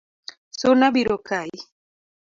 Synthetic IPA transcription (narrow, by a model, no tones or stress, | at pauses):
sonabiɾokai